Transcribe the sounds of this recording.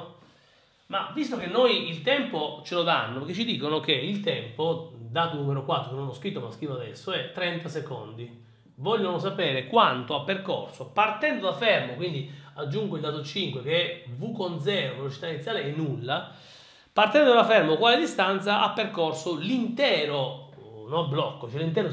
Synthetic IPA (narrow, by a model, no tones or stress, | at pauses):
mavist̪okenːojilt̪ɛmpot͡ʃelod̪anːopeket͡ʃːid̪iːkonokeilt̪ɛmpod̪aːt̪onumeɾokwat̪ːɾokenõnɔskɾit̪ːomaskiːvoad̪ɛsːoɛt̪ːɾɛnt̪aseko̰nd̪i | vɔʎːonos̬apeːɾekwant̪oapːerkorsopart̪ɛnd̪od̪afɛrmokwind̪iad͡ʒːuŋɡoild̪at̪ot͡ʃiŋkwekeɛvukond̪zɛːɾovelot͡ʃi̥t̪ainit̪sjaːleɛnːulːa | part̪ɛnd̪od̪afɛrmokwaːled̪ist̪ant̪saʔapːerkorsolint̪ɛːɾonɔblɔkːot͡ʃɛlint̪̬ɛːɾo